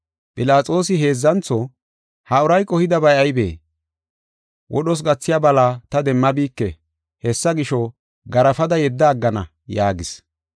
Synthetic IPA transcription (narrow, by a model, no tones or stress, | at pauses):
pʼɪlaːt͡sʼo̞ːsɪɦe̞ːzːɐnt͡sːɔ | hɐʊɾɐjkʼɔhɪd̪ɐbɐjɐjbḛː | wʔɔ̰ɗɔs̬ɡɐt͡sːɪjabɐlaːt̪ɐd̪ɛmːɐbiːkːɛ | hɛsːɐɡɪʃɔ | ɡɐɾɐfɐd̪ɐjɛd̪ːɐːɡːɐnɐ̰ | jaːɡɪs